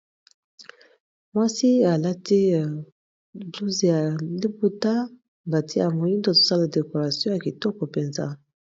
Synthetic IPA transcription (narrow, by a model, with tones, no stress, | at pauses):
mwa˦si˦a˨la˦tʰi˦˨ | blu˦ze˨ja˨li˦bu˦ta˦ | ŋɡa˨tʰi˦a˨mo˨ji˦ndo˨to̥˦sa˦la˨de˨ko˨ʁa˨sjɔ̃˦ja˨ki˨tɔ˦kɔ˨pe˨nza̰˦